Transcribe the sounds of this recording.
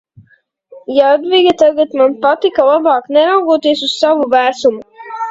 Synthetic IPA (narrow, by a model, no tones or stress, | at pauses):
jaad̪viɡʲat̪aɡat̪manpat̪ikalˠabɑːknɛɾawɡuɔt̪iɛsussavuvæːsumu